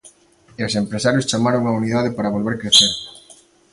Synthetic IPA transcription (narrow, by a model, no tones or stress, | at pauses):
osempɾesaɾjʊst͡ʃamaɾoŋauniðað̞epaɾɐβ̞olβeɾkɾeθeɾ